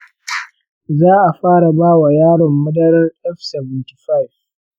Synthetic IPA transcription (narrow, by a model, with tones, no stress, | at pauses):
zaː˦ʔa˨ɸaː˦ɽa˨baː˦wa˨jaː˦ɽɔ˨mːʊ˦dɐ˦ɾɐ˦rʔɛ˦ɸsɛ˨vɪ˨nti̥˨ɸa˦jf